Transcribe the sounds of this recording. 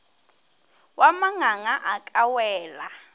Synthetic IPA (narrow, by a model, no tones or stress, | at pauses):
wamaŋaŋaʔakʼawɛːla